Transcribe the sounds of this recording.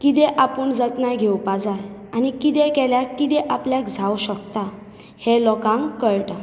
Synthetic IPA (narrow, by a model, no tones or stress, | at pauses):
kit̪ɛʔapəɳd͡zət̪najɡʱewpad͡zajanikit̪ekɛljakːit̪ɛʔapljakd͡zʱawɕəkt̪a | helɔkãŋkːəɭʈa